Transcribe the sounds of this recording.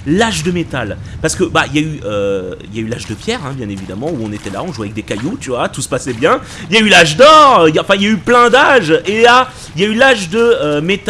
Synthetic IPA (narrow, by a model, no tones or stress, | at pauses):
laʒd̪əmet̪alpaʁsə̥kəbailjayʔøiljaylaʒd̪əpjɛʁɛ̃bjɛ̃nevid̪amɑ̃uɔ̃net̪ɛla̰ɔ̃ʒuavɛk̚d̪ekajut̪yvwat̪usə̥pasɛbjɛ̃ | iljaylaʒd̪ɔʁøijaɑ̃fɛ̃iljayplɛ̃d̪aʒea | iljaylaʒd̪əømet̪